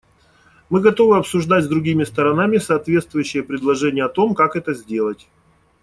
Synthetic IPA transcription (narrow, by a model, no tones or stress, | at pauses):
mɨɡɐt̪o̞vɨɐpsʊʐd̪atʲzd̪ɾʊɡʲimʲɪst̪əɾɐnamʲɪsɐːt̪vʲe̞t̪st̪vʊjʉɕːɪjəpɾʲɪd̪lˠɐʐɛnʲɪjəɐt̪o̞mkakɛt̪əzʲdʲe̞lˠətʲ